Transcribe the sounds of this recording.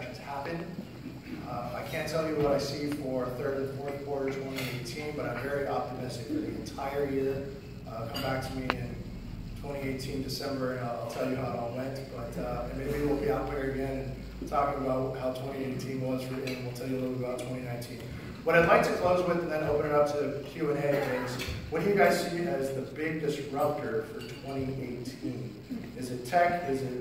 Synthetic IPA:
ʃn̩z̥hæpɨ̃n | aɪkʰæ̃ntʰɛlˠjɨwʌɾaɪsifə˞θɜ˞ɾɨ̃nkʰɔɹɾikʰw̥ɔɹɾə˞tʰw̥ɛ̃ñieɪtʰĩnbʌɾãɪ̃ɱvɛɹiʔɑp̚tɨmɪstɨkɨðiɨ̰̃ntʰaɪə˞jɪɹ | ʌkʰʌ̃mbæk̚tʰəmiɪ̃n | tʰw̥ɛ̃ɾ̃ieɪtʰĩndɨsɛ̃mbə˞ɨ̃naɪaɪlˠtʰɛlˠjɨɦaʊaɪwɛ̃ntb̥ʌɾʌɨ̃nmeɪbiwɪlˠbiãʊt̚wɪ̃ɾə˞ɨɡɛ̃nɨ̃n | tʰɔkɪ̃ŋəbaʊt̚wʌʔhaʊtʰw̥ɛ̃ɾ̃ieɪtʰĩnwʌzɹɪʔñ̩wɪlˠtʰɛlˠjɨlɪɾˠl̩ˠbbbaʊtʰw̥ɛ̃ɾ̃inãɪ̃ntʰĩn | b̥ʌɾaɪdˡlaɪk̚tʰɨkʰl̥oʊzwɪðɨ̃n̩ðɨ̃ñoʊpə̃ñɨɾʌtʰɨðɨkʰj̥ʉɨ̃ñeɪɡẽɪ̃mz̥wʌt͡ʃɨɡaɪz̥siɨzðɨbɪɡ̚dɨs̚ɹʌb̚tə˞fə˞tʰw̥ɛ̃ɾ̃iʔeɪtʰĩn | ɨzɨtʰɛkɪzɨ

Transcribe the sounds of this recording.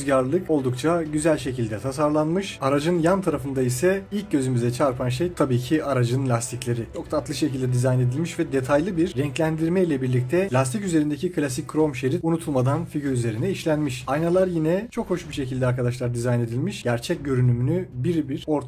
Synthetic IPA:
zɟaɾlˠɯko̞lˠd̪ukt͡ʃʰaɟyzælʲʃecilʲd̪ɛt̪ʰasaɾlˠanmɯʃaɾad͡ʒɯnjant̪ʰaɾafɯnd̪aisɛilʲc̚ɟø̞zymyzɛt͡ʃʰaɾpʰanʃ̬ejt̪ʰabiːcʰiaɾad͡ʒɯnlʲast̪ʰiclʲe̞ɾit͡ʃʰo̞kt̪at̪lˠɯʃecilʲd̪ɛd̪izajne̞d̪ilʲmiʃvɛd̪e̞t̪ʰajlˠɯbiɾːɛɲclʲænd̪iɾmɛjilʲɛbiɾlʲic̚t̪ʰɛlʲast̪ʰicyze̞ɾind̪ecʰikʰɯlʲasic̚ʲkʰːɾo̞mʃe̞ɾit̪unut̪ʰulˠmad̪anfiɟyɾyze̞ɾinɛiʃlʲænmiʃajnalˠaɾjinɛt͡ʃʰo̞kho̞ʃbiʃe̞cʰilʲd̪ɛaɾkad̪aʃlˠaɾd̪izajne̞d̪ilʲmiʃɟ̥æɾt͡ʃʰɛc̚ɟø̞ɾynymynybiɾbiɾo̞ɾt̪

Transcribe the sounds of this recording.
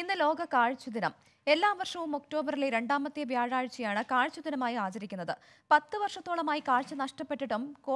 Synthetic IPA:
inːɨlo̞ːɡɐkaːɻt͡ɕːud̪inɐm | e̞lːaːʋɐrʂɐʋumo̞kʈo̞ːbɐɾileɾe̞ɳɖaːmɐt̪ːjeʋjaːɻaːɻt͡ɕːɐjaːɳɨkaːɻt͡ɕːud̪inɐmaːjiaːt͡ɕɐɾikʲːunːɐðɨ | pɐt̪ːɨʋɐrʂɐt̪ːoːɭɐmaːjikaːɻt͡ɕːɐnɐʂʈɐpːe̞ʈːiʈːumko

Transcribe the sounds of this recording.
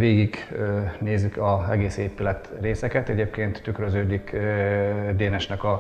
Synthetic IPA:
veːɡiɡøneːzykɒɛɡeːseːpylɛt̪reːsɛkɛt̪ɛɟeːpkeːnt̪ːykrøzøːɟik | d̪eːnɛʃnɛkɒ

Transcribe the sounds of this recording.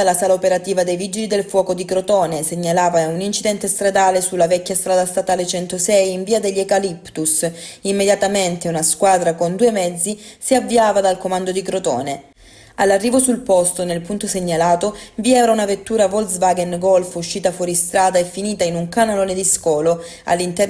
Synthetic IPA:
alasaːlaopeɾat̪iːvad̪ejvid͡ʒilid̪elfwɔːkod̪ikɾot̪ɔːneseɲːalaːvaunint͡ʃid̪ɛnt̪est̪ɾad̪aːlesulːavɛkʲːjast̪ɾaːd̪ast̪at̪aːlet͡ʃɛnt̪osɛjːɱviːad̪eʎːekalipt̪us | imːed̪jat̪ament̪eunaskwaːd̪ɾakond̪uːemɛd̪zːisiavːiaːvad̪alkomand̪od̪ikɾot̪ɔ̰ːne | alːarːiːvosulpɔst̪onelpunt̪oseɲːalaːt̪oviɛːvaunavet̪ːuːɾavolsvaɡɛnɡɔlfuʃːiːt̪afwɔːɾist̪ɾaːd̪aefːiniːt̪ainuŋkanaloːned̪iskɔːlo | a̰lːint̪ɛ

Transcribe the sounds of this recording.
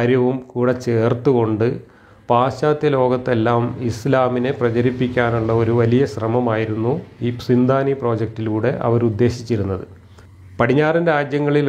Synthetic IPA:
ɾjɐʋumkuːɽet͡ɕe̞ːrt̪ːuɣo̞ɳɖɨ | paːɕaːt̪jɐlo̞ːɡɐt̪ːe̞lːaːmislaːmine̞prɐt͡ɕɐɾipːikʲːaːnuɭːɐo̞ɾuʋɐlijɐɕrɐmɐmaːjiɾunːuiːpsind̪ʱaːnipro̞ːd͡ʑek̚ʈilkuːɽe̞ʔɐ̰ʋɐɾud̪ːe̞ːɕit͡ɕːiɾunːɐðɨ | pɐɽiɲːaːrindeaːd̪jɐŋːɐɭil

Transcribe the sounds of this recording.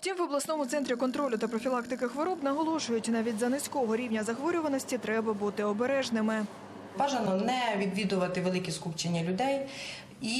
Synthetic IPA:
ftʲimʋɔblˠɐsnɔmʊt̪sɛnt̪ɾʲikɔnt̪ɾɔlʲʊt̪ɐpɾɔfʲilˠɑkt̪ɪkɪxʋɔɾɔbnɐɦɔlˠɔʃʊjʊtʲnɑʋʲitʲzɐnɪsʲkɔɔɦɔɾʲiwnʲɐzɐxʋɔɾʲʊʋɐnɔsʲtʲit̪ɾɛbɐbut̪ɪɔbeɾɛʒnɪmɪ | baʒɐnɔnɛʋʲid̪ʋʲid̪ʊʋɐt̪ɪʋelˠɪkʲiskupt͡ʃɪnʲːɐlʲʊd̪ɛj | i

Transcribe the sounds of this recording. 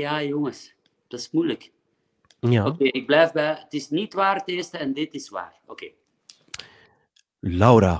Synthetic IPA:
jaːjoŋəs | d̥ɑsmujlək | okeːɪɡ̚blɛjfbɛətɪsnitʋaːrtɪːstəɛndɪtɪsʋa̰ːro̰keː | lawɾa

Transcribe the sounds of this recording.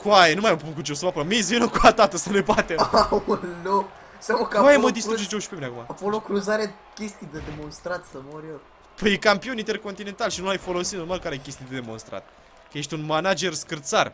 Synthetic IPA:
kuajenumajmpukut͡ʃesumapɾomis̬vinokuat̪at̪əsənebat̪eunlok | sakakaeməd̪ist̪ɾud͡ʒet͡ʃd͡ʒowʃpemineakumaakolokɾuzaɾe | kʲe̞st̪ijd̪ed̪emo̞nst̪ɾat̪sɐmoɾʲjor | pəjekampioint̪e̞rkont̪ine̞nt̪alʃinuajfo̞lo̞sit̪no̞rmalkaɾejkʲe̞st̪ijd̪ed̪emo̞̰nst̪ɾa̰t̪̚ | kəje̞ʃt̪ʲunmanad͡ʒe̞rskɨrt̪sar

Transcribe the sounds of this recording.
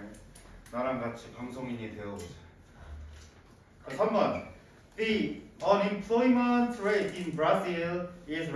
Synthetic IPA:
naɾanɡat͡ɕʰipaŋsʰoŋiɲiteʌsa | ʌsʰʌnmʌn | ðiʌnĩmpʰl̥ojiməntʰɹetĩnbɹazilɪz

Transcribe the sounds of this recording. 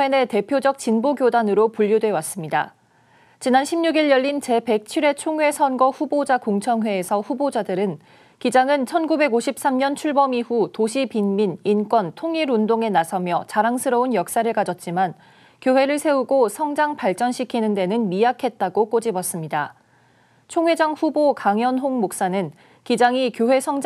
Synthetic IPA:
wene̞te̞pʰjod͡ʑʌk̚t͡ɕinboɡjodanɯɾopuʎːodwe̞was͈ɯmɲida | t͡ɕinanɕʰimɲuɡiɭjʌʎːint͡ɕe̞pe̞k̚t͡ɕʰiɾe̞t͡ɕʰoŋwe̞sʰʌnɡʌɸubod͡ʑakoŋt͡ɕʰʌŋwe̞ːsʰʌɸubod͡ʑadɯɾɯn | kid͡ʑaŋɯnt͡ɕʰʌnɡube̞ɡoɕʰip̚s͈amɲʌnt͡ɕʰuɭbʌmiɸutoɕʰipinminink͈wʌntʰoŋiɾundoŋe̞nasʰʌmjʌt͡ɕaɾaŋsʰɯɾʌunjʌk̚s͈aɾɯɭkad͡ʑʌt̚t͡ɕ͈iman | kjowe̞ɾɯɭsʰe̞uɡosʰʌŋd͡ʑaŋpaɭt͡ɕ͈ʌnɕʰikʰinɯnde̞nɯnmiakʰe̞t̚t͈aɡok͈od͡ʑibʌs͈ɯmɲida | t͡ɕʰoŋwed͡ʑʌŋɸubokaŋjʌnɦoŋmok̚s͈anɯn | kid͡ʑaŋikjoɦe̞sʰʌŋ

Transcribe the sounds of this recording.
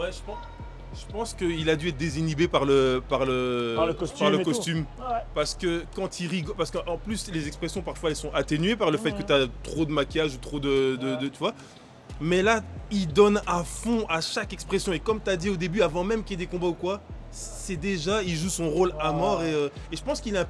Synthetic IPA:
wɛʒəpɑ̃ | ʒ̥əpɑ̃skəilad̪yɛt̪χ̚d̪ezinibepaʁləpaʁlə | paʁləkɔst̪ym | paʁsə̥kəkɑ̃t̪iʁiɡɔpaʁsəkəʔɑ̃plyslezɛkspχesjɔ̃paʁfwaɛlsɔ̃ʔat̪enɥepaʁləfɛt̪̚kət̪yat̪χod̪əmakʲjaʒut̪χod̪əd̪əd̪ət̪yvwa | mɛlaild̪ɔnafɔ̃aʃakɛkspχesjɔ̃ekɔmt̪yad̪iod̪ebyavɑ̃mɛmkʲied̪ekɔ̃baukwa | sɛd̪eʒailʒusɔ̃ʁolamɔʁeø | eʒəpɑ̃skilɛɛ̃

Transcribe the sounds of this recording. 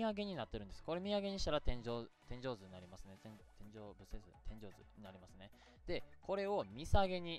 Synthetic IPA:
aɡe̞ɲ̟inat̪ːe̞ɾɯ̃nd̪e̞sɨ̥ko̞ɾe̞mʲiaɡe̞ɲ̟iɕi̥t̪aɾat̪ẽ̞ɲ̟d͡ʑoːt̪ẽ̞ɲ̟d͡ʑo̞ːzɨɲ̟inaɾʲimasɨne̞t̪ẽt̪ẽ̞ɲ̟d͡ʑo̞ːbɯ̟sezɨ̰t̪ʰẽ̞ɲ̟d͡ʑo̞ːzɨ̰ɲinaɾʲimasɨne̞ | d̪̥e̞ko̞ɾe̞o̞mʲisaɡe̞ɲ̟i

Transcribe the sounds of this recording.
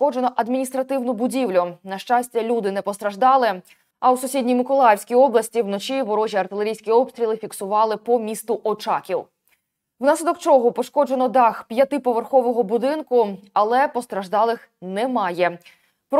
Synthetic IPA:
ɔd͡ʒenɔʔɐd̪mʲinʲist̪ɾɐt̪ɪwnʊbʊdʲiwlʲʊnɐʃt͡ʃɑsʲtʲɐlʲud̪ɪnɛpɔst̪ɾɐʒd̪ɑlˠɪ | ɐwsʊsʲidʲnʲijmɪkɔlˠɑjewsʲkʲijɔblˠɐsʲtʲiwnɔt͡ʃiʋɔɾɔʒʲiɐrt̪ɪleɾʲijsʲkʲiɔpst̪ʲɾʲilˠɪfʲiksʊʋɑlˠɪpɔmʲist̪ʊʔɔt͡ʃɑkʲiw | wnɑslʲɪd̪ɔkt͡ʃɔɦɔpɔʃkɔd͡ʒe̞nɔd̪ɑxpʲjɐt̪ɪpɔʋerxɔʋɔɦɔbʊd̪ɪnkʊɐlˠɛpɔst̪ɾɐʒd̪ɑlˠɪx | nɛmɑjɛ | p

